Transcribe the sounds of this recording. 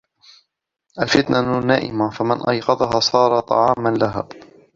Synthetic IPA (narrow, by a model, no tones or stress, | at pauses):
ʔalfɪt̪nʔanaːʔɪ̰mafamanʔɑjqɑðˤɑɦɑːsˤɑːɾˤɑt̪ˤɑ̰ʕɑːmanlaɦa̰ː